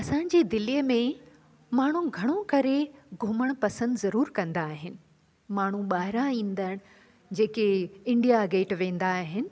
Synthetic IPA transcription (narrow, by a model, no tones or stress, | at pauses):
ɐsãːɲ̆d͡ʑiːd̪ɪlijəmẽ | maːɳ̤uɡʱɐɽ̃okɐɾeɡʱʊməɽ̃pɐsə̃nd̪zɐɾuːɾkɐ̃nd̪aːɦɪnɪ̆ | maːɳ̤uɓaːɦɪɾãĩːn̆d̪əɽ̃ | d͡ʑeːkeɪ̃ɳɖijaɡeːʈʋẽːnd̪aːɦɪnɪ̆